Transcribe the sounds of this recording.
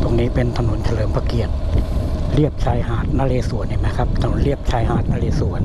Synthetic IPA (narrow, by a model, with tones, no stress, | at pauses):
pʰu˧˩ŋniː˦˥pe˧nt̪ʰa˧nu˩˦nt͡ɕʰa˧lɤː˩˦mpʰa˧ki˨˩ət̪̚ | ɾi˥˩əp̚t͡ɕʰaː˧jɦaː˨˩t̪̚naː˧leː˧su˨˩˦ənːiː˧˩ma˦˥jkʰa˦˥p̚t̪ʰa˧no˨˩˦nli˥˩əp̚t͡ɕʰaː˧jɦaː˨˩t̪̚naː˧leː˧su˨˩˦ən